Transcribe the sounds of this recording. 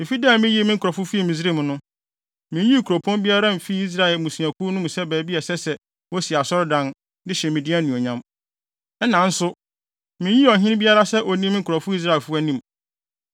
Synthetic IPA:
m̩ɪ̃˨fi˦daː˦˨mɪ̃˦ji˦e˦mɪ̃˦ŋ̩˦kʰʊ˨ɾɔ˨fʊ˦fi˦ɛ˦˨mĩ˨zi˦ɾe˦m̃˨nʊ̃˦ | mĩ˨˦ĩ˦˨kʰu˨ɾo˨pʰɔ̃˦nbi˦a˦ɾa˦m̩˨fi˦i˦s̬ɾa˦˨lmũ˨sũ˨a˨kʰu˦nʊ̃˦m˨sɛ˦bæː˨bi˦ɛ˨sɛ˦sɛ˨ | wɔ˦si˨a˨sɔ˦ɾdã˨n | dɪ˦ɕɛ̃˨mĩ˨di˦æ˦nũ˨ɔ˨ɲã˦m | ɛ˦nã˨n̩˦sʊ˦ | mɪ̃˨˦ji˦ɔ˨ɦɪ̃˦n˦bi˦a˦ɾa˦sɛ˦ʔɔ˨nĩ˦mɪ̃˦kʰɔ˨fʊ˦i˦s̬ɾa˦˨e˨lfʊ˦a˦nĩ˦m

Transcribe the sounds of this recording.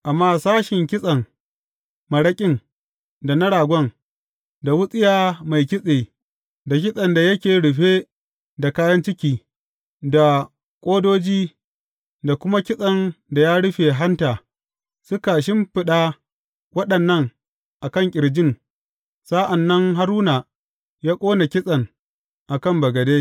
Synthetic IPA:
ʔa˨mːaː˦saː˦ʃɪ˨ŋkʲɪ˦sʼɐ˨ŋ | mɐ˨ɽɐ˦kʲʼɪ˦ŋ | da˨nɐ˦ɽaː˨ɡʷɔ˦ŋ | da˨wʊ˦sʼɪ˦jaː˦ma˨jk̬ʲɪ˦sʼeː˨ | da˨k̬ʲɪ˦sʼɐ˨nda˨jɐ˦kʲeː˨ɽʊ˨ɸeː˦ | da˨kaː˦jɐ˦nt͡ʃɪ˦kʲiː˨ | da˨ | kʷʼoː˦doː˦d͡ʒiː˦ | da˨kʷʊ˦ma˦kʲɪ˦sʼɐ˨nda˨jaː˦ɽʊ˦ɸeː˨ɦa˦ntaː˨ | sʊ˦ka˨ʃ̬ɪ˦mɸɪ˦ɗaː˦ | wɐ˦ɗɐ˨nːɐ˦˨ŋ | ʔa˨kɐ˦ŋkʲʼɪ˨ɽd͡ʒɪ˦ŋ | sa˦ʔa˨nːɐ˦ŋɦa˦ɾuː˦naː˨ | jaː˦kʷʼoː˦na˨kʲɪ˦sʼɐ˨ŋ | ʔa˨kɐ˦˨mbɐ˨ɡɐ˨deː˦

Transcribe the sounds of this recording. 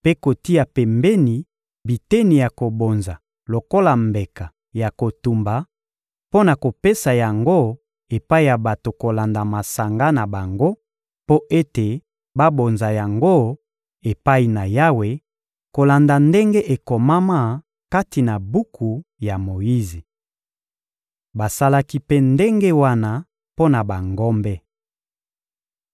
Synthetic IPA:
pe˦ko˨ti˦a˨pɛ˨mbɛ˦ni˨ | bi˨te˦ni˨ja˨ko˨bo˨nza˨ | lo˨ko˦la˨mbe˨ka˨ | ja˨ko˨tu˨mba˨ | po˦na˨ko˨pe˦sa˨ja˨ŋɡo˦ | e˨pa˦i˨ja˨ba˨to˨ko˨la˨nda˨ma˨sa˨ŋɡa˦na˨ba˨ŋɡo˦ | po˦ʔe˦te˨ | ba˦bo˨nza˨ja˨ŋɡo˦ | e˨pa˦i˨na˨ja˦we˨ | ko˨la˨nda˨nde˦ŋɡe˦ʔe˨kɔ˨ma˦ma˦ | ka˦ti˨na˨bu˦kʰu˨ja˨mo˨ji˦zi˨ | ba˨sa˦la˦ki˦pe˦nde˦ŋɡe˦wa˦na˦ | po˦na˨ba˨ŋɡɔ˦mbɛ˦

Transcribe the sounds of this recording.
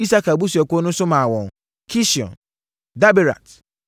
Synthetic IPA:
i˦sa˦ka˨bu˦s̬u˨ɛ˨ko˦nʊ̃˦sʊ˦mã˨wɔ̃˨ŋ | kʰi˦si˨ɔ̰̃˨n | da˦be˨ɾa̰˨t

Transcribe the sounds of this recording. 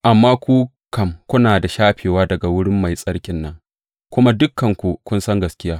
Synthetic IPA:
ʔa˨mːaː˦kʷuː˦ | kɐ˨mkʷʊ˦naː˨da˨ʃaː˦ɸeː˨waː˦dɐ˨ɡa˨wʊ˦ɽɪ˦mːa˨jsʼɐ˦ɽkʲɪ˦nːɐ˦ŋ | kʷʊ˦ma˦dʊ˦kːɐ˨ŋkʷu˨kʷʊ˦nsɐ˦ŋɡɐ˨skʲɪ˦jaː˦

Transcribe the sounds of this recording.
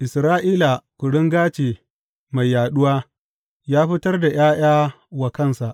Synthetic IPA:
ʔɪ˨sɾaː˦ʔiː˦la˨kʷʊ˨ɽɪ˦ŋɡaː˦t͡ʃeː˨ | ma˨jːaː˨ɗʊ˦waː˦ | jaː˦ɸɪ˦tɐ˦rda˨j̰aː˦j̰aː˦ | wɐ˨kɐ˦˨nsa˨ʔ

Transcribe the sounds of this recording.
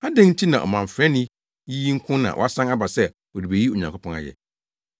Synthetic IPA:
a˦dɛ̃˦n̩˦tʰi˦nã̰˨ɔ̰˨mã˨m˨fɛ̃˦nɪ̃˦ | ji˦ŋ̩˦kʰʊ̃˦nã̰˨ʔɔ̰˨a˦sã˦ŋa˦ba˨sɛ˦ | ɔ˨di˨be˨ji˦o˨ɲã˨kʰʊ˦pʰɔ̃˦ŋa̰˨jɛ̰˨

